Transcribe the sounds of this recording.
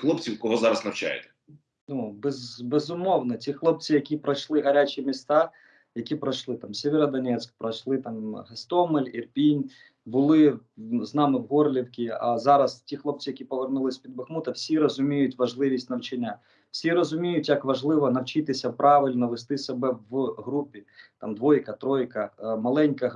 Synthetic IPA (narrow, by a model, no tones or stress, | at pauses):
xlˠɔpt͡sʲiwkɔɦɔzɑɾɐznɐwt͡ʃa̰jɛ̰t̪ɛ̥ | nubɛzbɛzʊmɔwnɔtʲixlˠɔp̚t͡sʲijɐkʲipɾɐʃlˠɪɦɐɾʲat͡ʃʲimʲist̪ɑ | jɐkʲipɾɐʃlˠɪt̪ɑmsʲeʋʲeɾɐd̪ɐnʲɛt͡sʲkpɾɐt͡ʃlˠɪt̪ɑmɦɐst̪ɔmɪlʲirpʲinʲ | bʊlˠɪznɑmɪwɦɔrlʲiwkʲiɐ̰zɑɾɐstʲixlˠɔp̚t͡sʲijɐkʲipɔʋernulˠɪsʲpʲid̪̚bɐxmut̪ɐwsʲiɾɔzʊmʲijʊtʲʋɐʒlˠɪʋʲisʲtʲnɐwt͡ʃɐnʲːa | wsʲiɾɔzʊmʲijʊtʲjɐkʋɐʒlˠɪʋɔnɐwt͡ʃɪt̪ɪsʲɐpɾɑʋɪlʲnɐʋest̪ɪsebɛwɦɾupʲit̪ɑ̰md̪ʋɔjkɐt̪ɾɔjkɐmɐlˠɛnʲkɐ